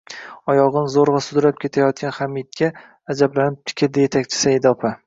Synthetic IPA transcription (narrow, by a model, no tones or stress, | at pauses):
ɒjɒʁɨnzoɾvasʊd̪ɾap̚kʲʰe̞t̪ʰajɒt̪̚kʲanχamɪt̪̚ɡʲaː | d͡ʒablanɪp̚t̪ʰɪ̥kʲʰɪld̪ɪje̞t̪ʰakʲt͡ʃʰɪ̥sajd̪ɒpʰa